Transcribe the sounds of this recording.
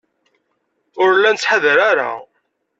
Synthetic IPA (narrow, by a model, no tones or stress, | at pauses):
ʊɾlːænt͡sːħaðəɾaɾa̰